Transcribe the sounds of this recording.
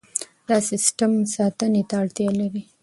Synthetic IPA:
d̪ɑsɪsʈamsɑt̪ənet̪aːɽt̪jɑlawi

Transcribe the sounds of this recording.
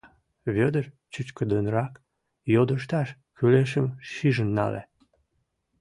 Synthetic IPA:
βød̪ər | t͡ɕyt͡ɕkəd̪ənɾɑk | jod̪əʃ̬t̪ɑʃ | xyleʃ̬əmʃiʒənːɑ̰lḛ

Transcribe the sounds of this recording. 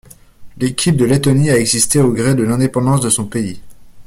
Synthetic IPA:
lekʲʰip̚d̪əlet̪ɔniaɛɡzist̪eoɡʁed̪əlɛ̃d̪epɑ̃d̪ɑ̃sd̪əsɔ̃pei

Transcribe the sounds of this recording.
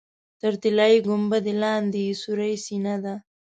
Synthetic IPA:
t̪əɾt̪ɪlɑjiɡʊmbad̪elɑnd̪esuɾajsinad̪a

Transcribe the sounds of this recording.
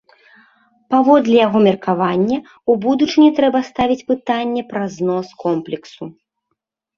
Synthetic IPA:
pavɔd̪lʲɛjaɣɔmʲɛrkavanʲːɛ | ubud̪ut͡ʂɨnʲɛt̪ɾɛbɐst̪avʲit͡sʲpɨt̪anʲːɛpɾɐznɔskʰɔmplʲɛksu

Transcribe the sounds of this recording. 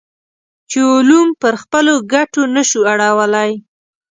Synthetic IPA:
t͡ʃeʊlumpəɾxpəloɡaʈonəʃuaɽawəlaj

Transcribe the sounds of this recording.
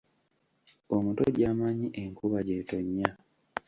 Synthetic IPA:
omuto̰ɟaːmaɲiʔeŋkʰuβaɟeːtoɲːa

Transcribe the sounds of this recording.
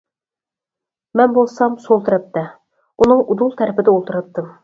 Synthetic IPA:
mɛnbolˠsɑmsolˠt̪ɨɾɑp̚t̪ːɛ | unɨŋud̪ulˠt̪ʰæɾɪpɪd̪ɛolˠt̪ʰɨɾɑt̚t̪ːɨm

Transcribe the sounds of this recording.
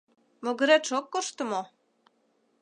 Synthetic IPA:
moɡɘ̆ɾet̪ʃokːoʃt̪ə̆mo

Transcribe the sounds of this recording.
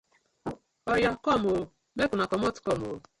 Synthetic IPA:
ɔjakɔmo | mekunakɔmɔtʊ̥kɔmo̰

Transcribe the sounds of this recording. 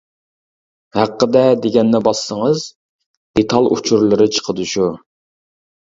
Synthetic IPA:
hæqːəd̪ɛd̪eɡʲɛnːɛbɑssəŋəz | d̪̥et̪ʰɑlˠṵt͡ʃʰuɾlˠɨɾɨt͡ʃʰə̥qʰəd̪uʃu

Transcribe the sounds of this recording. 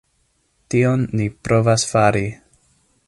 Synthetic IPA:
tionːipɾo̞vasfaɾi

